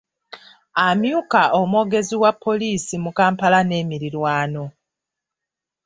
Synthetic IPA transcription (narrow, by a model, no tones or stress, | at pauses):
amjuːkaʔomwo̞ːɡe̞ziwapʰːo̞liːsimukaːmpalane̞ːmiɾiɾwaːno̞